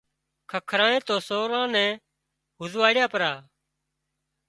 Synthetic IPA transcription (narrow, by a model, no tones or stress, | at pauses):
kʰəkʰːɾãːẽːt̪oːsoːɾãːnɛ̃ː | ɦʊzʋaːɽɪjaːpəɾaː